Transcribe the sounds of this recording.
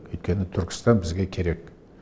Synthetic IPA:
kɵjt̪kʲe̞nɪt̪ʰʏɾkʲɪ̥st̪ɑnbɪzɡʲekʲʰe̞ɾe̞k

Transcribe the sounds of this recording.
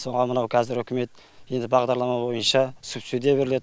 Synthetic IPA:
so̞ɴʁɑmənɑwkʰɑzɪɾʏkʲʰɪme̞t̪ | je̞nd̪ɪbɑʁd̪ɑɾlˠɑmɑbo̞jənʃɑsupsid̪jabe̞ɾɪle̞

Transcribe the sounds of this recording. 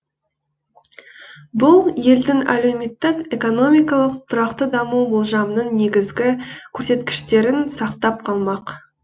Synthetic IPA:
bʊlˠje̞ld̪ɪŋæ̰lewme̞t̪ːɪke̞ko̞no̞mijkɑlˠəqt̪ʰʊɾɑqt̪əd̪ɑmuwbolˠʒɑmnəɴne̞ɡʲɪzɡʲɪkʲʰɵɾse̞t̪kʲɪ̥ʃt̪e̞ɾɪnsɑqt̪ɑp̚qʰɑlˠmɑq

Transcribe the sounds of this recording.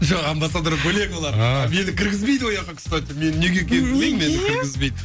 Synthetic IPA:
ʒoqɑmbɑsad̪ɾəkʰoleŋolˠɑd̪me̞nɪkʲʰɪɾɡʲɪzbe̞jd̪wo̞jɑqɑkʲʰʏst̪at̪ʲeme̞nɪneɡʲekʲenb̪ɪlemmenɪkʲʰɪɾɡʲɪzbejd̪ɪ

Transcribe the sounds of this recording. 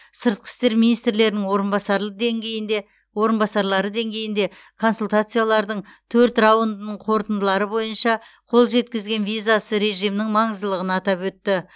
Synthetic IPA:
səɾt̪̚qʰə̥st̪e̞ɾminijst̪ɾɪle̞ɾɪnɪŋwoɾəbɑsɑŋ | wo̞ɾənbɑsɑɾlˠɑɾəd̪e̞ŋɡʲe̞jɪnd̪e̞ | kʰo̞nsult̪at̪sɨjalˠɑɾd̪əɴt̪ʰɵɾt̪rɑwond̪ənəɴqʰo̞ɾt̪ənd̪əlˠɑɾəbo̞jənʃɑ | qʰo̞lˠʒe̞t̪kʲɪzɡʲe̞nvijzasəɾe̞ʒijmnɪŋmɑɴəzd̪əlˠəʁənɑt̪ɑpwɵt̪ːɪ

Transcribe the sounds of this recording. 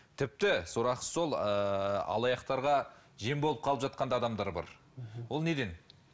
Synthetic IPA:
t̪ʰɪp̚t̪ɪsoɾɑqə̥so̞lˠ | ɑ̰lˠɑjɑqt̪ɑɾʁɑ | ʒe̞mbo̞lˠəpqʰɑəpʒɑt̪̚qɑnd̪ɑd̪ɑmd̪ɑɾbɑ̰ɾ | wo̞lˠne̞d̪e̞n

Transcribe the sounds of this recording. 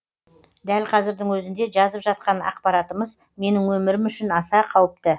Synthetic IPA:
d̪ælqʰɑzɪɾd̪ɪŋwɵzɪnd̪e̞ʒɑzəpʒɑt̪̚qɑnɑ̰q̚pɑɾɑt̪əməz | me̞nɪŋwɵmɪɾɪmʏʃɪnɑsɑqʰɑwəp̚t̪ə

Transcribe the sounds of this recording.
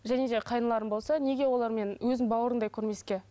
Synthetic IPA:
ʒæne̞d̪e̞qʰɑjənəlˠɑɾənbo̞lˠsɑne̞ɡʲe̞wo̞lˠɑɾme̞nwɵzɪnbɑwəɾənd̪ɑjkʲʰɵɾme̞skʲe̞

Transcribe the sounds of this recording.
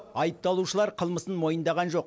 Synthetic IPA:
ɑjəp̚t̪ɑlˠuʃəlˠɑɾqʰəlˠməsənmo̞jənd̪ɑʁɑnʒo̞q

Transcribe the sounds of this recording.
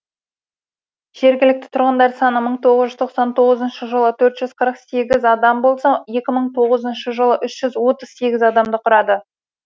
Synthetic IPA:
ʒ̥e̞ɾɡʲɪlɪk̚t̪ɪ̥t̪ʰʊɾʁənd̪ɑɾsɑnəməɴt̪ʰo̞ʁəzʒʏzt̪ʰo̞qsɑnt̪ʰo̞ʁəzənʃəʒəlˠət̪ʰɵɾt̪ʒ̥ʏzqʰəɾəqse̞ɡʲɪzɑd̪ɑmbo̞lˠsɑje̞kʲɪməɴt̪ʰo̞ʁəzənʃəʒəlˠəʔʏʃʒ̥ʏzwo̞t̪əz̥se̞ɡʲɪzɑd̪ɑmd̪əqʰʊɾɑd̪ə

